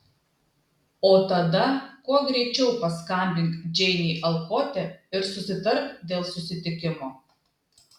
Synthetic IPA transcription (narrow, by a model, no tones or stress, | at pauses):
oːt̪ɐd̪ɐkuɔɡɾʲɛɪt͡ʃʲɛʊpɐskɐmʲbʲɪŋkd͡ʒʲɛɪnʲiːʔɐlˠkoːt̪ʲɛɪɾsʊsʲɪt̪ɐɾkd̪ʲeːlˠsʊsʲɪt̪ʲɪkʲɪmoː